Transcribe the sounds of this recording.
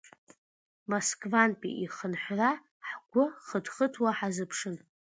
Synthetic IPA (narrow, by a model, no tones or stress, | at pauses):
moskʼvanpʼḭʔiχənħʷra | ħɡʷʊχədχətʰwaħazɨpʰʂɨn